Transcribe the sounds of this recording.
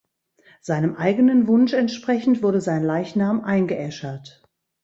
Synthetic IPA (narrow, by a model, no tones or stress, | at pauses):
z̥aɪnəmʔaɪɡənənvʊnʃɛntʃpʁ̥ɛçn̩tv̥ʊɐdəzaɪnlaɪçnaːmʔaɪnɡəʔɛʃɐt